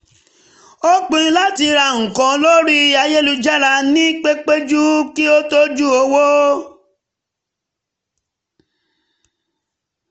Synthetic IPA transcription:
o˦k͡pĩ˦˧˦la˦ti˧ɾa˧˨ŋ̩˨kɔ̃˨˦lo˦ɾi˦˧a˧je˦lu˧d͡ʒa˦ɾa˧nĩ˦k͡pe˦k͡pe˦d͡ʒu˦ki˦o˦to˦d͡ʒu˦o˧˦wo˦

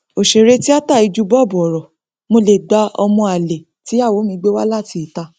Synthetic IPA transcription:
o˨ʃe˨ɾe˧˦ti˦a˦ta˦˨i˧d͡ʒu˦bɔ˦˨bu˨ɔ˨ɾɔ˨ | mo˧le˨ɡ͡ba˨˦ɔ˧mɔ̃˧a˨le˨ | ti˨˦a˦˨wo˨˦mĩ˧ɡ͡be˦wa˦la˦˨ti˧i˨ta˧

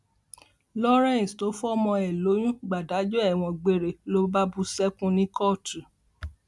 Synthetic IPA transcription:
lɔ˦ɾɛ̃˦˨sto˨˦fɔ˦˧˦mɔ̃˧ɛ˨lo˨˦j̃ũ˦ɡ͡ba˨da˨˦d͡ʒɔ˦ɛ˦˨w̃ɔ̃˧ɡ͡be˨ɾe˨lo˦ba˦bu˧sɛ˦kũ˦nĩ˦kɔ˦˨tu˨

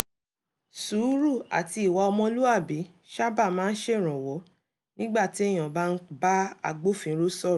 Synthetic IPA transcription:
su˨˦ɾu˦˨a̰˨ti˧i˨wa˧ɔ˧mɔ̃˧lu˦a˦˨bi˨˦ | ʃa˦ba˦˨mãː˨˦n̩˦ʃe˦˨ɾ̃ɔ̃˨wɔ˨˦ | nĩ˦ɡ͡ba˦˨ti˨˦ɛ˦˨j̃ã˨ba˦˧n̩˦ba˦a˧ɡ͡bo˦fĩ˧˦ɾo˦sɔ˦˨

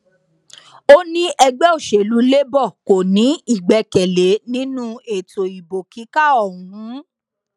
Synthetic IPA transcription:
o˦nĩ˦ʔɛ˧ɡ͡bɛ˦o˦˨ʃe˨lu˨˦le˦bɔ˦˨ko˨nĩ˨˦i˦˨ɡ͡bɛ˧kɛ˨le˨˦nĩ˦nũ˦e˨to˨i˨bo˨ki˨˦ka˦ɔ˦˨ũ˨˦

